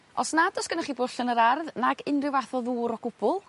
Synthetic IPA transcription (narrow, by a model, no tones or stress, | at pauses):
ɔsnadɔsɡ̥ənaχibʊɬənəɾarðnaɡɪnrɪwvaθɔðuːɾɔɡ̥ʊb̥ʊlˠ